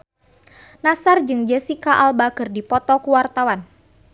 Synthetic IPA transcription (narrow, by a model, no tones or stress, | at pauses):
nasard͡ʒɨŋd͡ʒəsikaʔalbakɨrdipɔt̪ɔkuwart̪awan